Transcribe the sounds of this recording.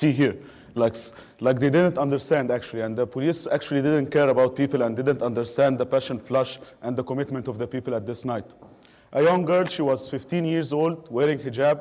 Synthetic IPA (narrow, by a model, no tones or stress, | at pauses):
siɦiɹ | laɪks | laɪk̚d̪edɪd̪ə̃ntʌ̃ndəɾst̪æ̃nd̪æk̚t͡ʃuliæ̃nðəpʰɔliːsæk̚t͡ʃulˠid̪ɪd̪ə̃nt̚kɛɾəbaʊt̪̚piːpəlæ̃nd̪ɪd̪ə̃ntʌ̃ndəɾst̪æ̃nd̪ðəpæʃə̃nflʌʃʔæ̃nðəkɔmɪt̪mə̃ntɔvðəpiːpəlæt̪̚ðɪsnaɪt̪ | ʔəjʌ̃ŋɡɜ˞lʃiːwɑz̥fɪft̪ĩnjiɹzoːld̪wɛːɾɪ̃ŋɡhəd͡ʒæb̚